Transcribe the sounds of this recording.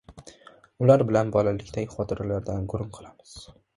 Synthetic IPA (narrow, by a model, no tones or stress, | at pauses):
ʊlaɾbɪlanbɒlalɪkʲt̪ʰaɡʲɪχɒt̪ʰɪɾalaɾd̪anɡʊɾʊnqʰɨlˠamɪz̥